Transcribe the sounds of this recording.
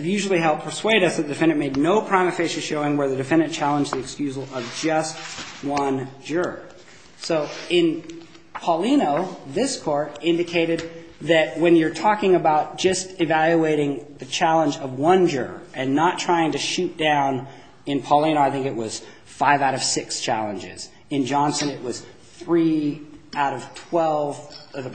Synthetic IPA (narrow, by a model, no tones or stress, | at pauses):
ɨvjʉʒl̩ˠiɦɛlˠt̚pʰə˞sweɪɾʌsðɨt̪̚ðɨdɨfɪ̃ñɨ̃n̚meɪdⁿnoʊpʰɹ̥ãɪ̃mɨfeɪʃɨʃoʊɪ̃ŋwə˞ðɨdɨfɪ̃ñɨ̃nt͡ʃʰælˠə̃nd͡ʒðiɨkskjʉzl̩ˠʌvd͡ʒʌst̚wʌ̃nd͡ʒə˞ | soʊɪ̃n | pʰɑlˠĩnoʊðɪskʰɔɹɾɪ̃ndɨkʰeɪɾɨd̪̚ | ðɨt̚wɨ̃njə˞tʰɔkɪ̃ŋɨbaʊt̚d̥ʒ̥ʌstɨvælˠjueɪɾɪ̃ŋðɨt͡ʃʰælˠə̃nd͡ʒʌvwʌ̃nd͡ʒʊ̰˞ʔɨ̃nːətʰɹ̥aɪɪ̃ŋtɨʃʉt̚d̥ãʊ̃n | ɨ̃npʰɑlˠĩoʊaɪθɪ̃ŋkɨʔ̚wʌz̥ | faɪvaʊɾʌv̥sɪkst͡ʃʰæ̰lˠə̃nd͡ʒɪ̰z̥ | ɨ̃nd͡ʒɑ̃nsɨ̃nɨt̚wʌz̥ | θɹi | aʊɾʌv̥tʰw̥ɛlˠvʌ